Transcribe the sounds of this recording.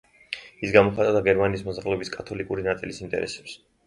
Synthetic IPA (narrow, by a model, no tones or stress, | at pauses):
isɡamɔχat̪ʼad̪aɡɛɾmaniːsmɔzɾalɛbiskʼat̪ʰɔlikʼuɾinat̪sʼilisint̪ʼɛ̰ɾɛ̰sɛ̥ps